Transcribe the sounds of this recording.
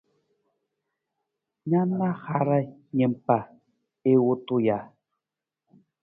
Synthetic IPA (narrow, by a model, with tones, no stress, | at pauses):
ɲa˦na˦xa˨ɾa˦ɲe˨mpa˨ | e˦wo˦tu˦ja˨